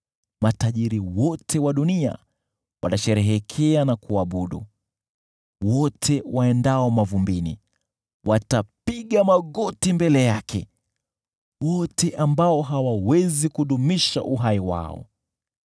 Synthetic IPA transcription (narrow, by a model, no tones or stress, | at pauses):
mataʄiɾiwɔtʰɛwaɗunia̰ | wa̰naʃɛɾɛɦɛkʰɛanakuaɓuɗṵ | wɔtʰɛwaɛndaɔmavumbinḭ | wʔatapiɠamaɠɔtimbɛlɛjakʰɛ̰ | wɔtɛʔambaɔɦawawɛzikuɗumiʃa̰ʔuɦaiwa̰ɔ̰